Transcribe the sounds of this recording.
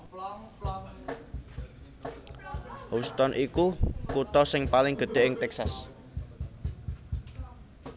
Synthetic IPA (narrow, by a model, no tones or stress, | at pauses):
hust̪ɔnʔikukut̪ɔsɪŋpalɪŋɡ̥ə̤ɖ̪̥e̤ʔɪŋt̪ɛksas